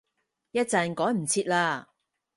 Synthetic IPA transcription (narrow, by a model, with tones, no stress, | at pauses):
jɐ˥t̚t͡sɐ˧nkɔː˨˥jm̩˨˩t͡sʰiː˧t̚laː˧